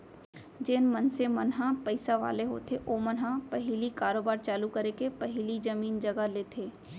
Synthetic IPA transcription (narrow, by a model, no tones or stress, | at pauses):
d͡ʒɪːnmɐnsemɐnɦãpəɪsaʋa̰ːleɦo̰ːt̪ʰeʔoːmɐnɦãpɐɦɪlikaːɾoːbaːɾt͡ʃaːlukɐɾekepɐɦɪlid͡ʒəmiːnd͡ʒɐɡaleːt̪ʰeː